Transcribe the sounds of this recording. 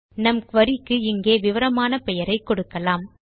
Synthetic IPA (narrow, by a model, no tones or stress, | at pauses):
nɐmkʋɐɾɪkːɯɪŋɡeːʋɪʋɐɾɐmaːnɐpɛjɐɾɐɪkːɔɽɯkːɐlaːm